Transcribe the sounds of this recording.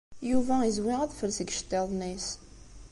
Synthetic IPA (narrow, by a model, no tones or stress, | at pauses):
juvæizwiʁæðfəlsəɡʃt̪ːeðˤnis